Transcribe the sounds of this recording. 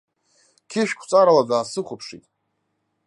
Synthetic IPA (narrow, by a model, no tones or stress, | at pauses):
kʲʰɪʃᶣkʷʰt͡sʼaɾalad͡zaːsɨχʷʊpʰʂḭtʼ